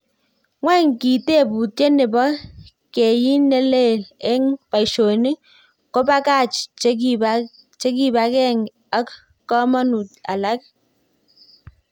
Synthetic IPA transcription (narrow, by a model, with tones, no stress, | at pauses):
ŋwɛ˦˨ŋki˨te˦˨pu˨te˦ne˨bɔ˦ | ke˨ji˦ne˦le˦˨lɛ˦ŋpa˨i˨ʃo˨ni˦ | kɔ˦pa˦ka˦˨t͡ʃt͡ʃ | t͡ʃe˦k̬i˦˨ba˦kɛ˦˨ŋ | a˦k | kɔ˦mɔ˦nu˨t̚a̰˨la˦k̚